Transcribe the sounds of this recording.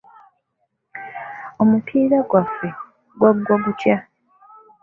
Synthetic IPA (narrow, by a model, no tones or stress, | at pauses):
omupʰiːɾaɡwafːe̞ | ɡwaɡwoβutja